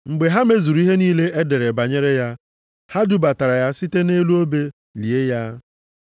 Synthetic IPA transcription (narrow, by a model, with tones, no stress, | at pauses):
ŋ͡m̩˨ɡ͡be˨ɦa˦me˦zu˨ɾu˦i˦ɦe˦niː˦le˦e˦de˨ɾe˨ba˨ɲe˦ɾe˦ja˦ | ha˦du˦ba˨ta˨ɾa˨ja˦si˦te˦ne˦lu˦o˦be˦ | li˨e˦ja˦